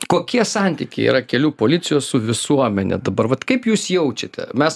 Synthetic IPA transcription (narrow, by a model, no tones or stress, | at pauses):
koːkʲiɛsɑnʲt̪ʲiːkʲɛɪḭɾɐkʲɛlʲuːpoːlʲɪt̪sʲɪjoːsʊʋʲɪsuɔmʲɛnʲɛ̰d̪ɐbɐɾʋɐt̪kɐɪpjuːsjɛʊt͡ʃʲɛt̪ʲɛ̰mʲɛs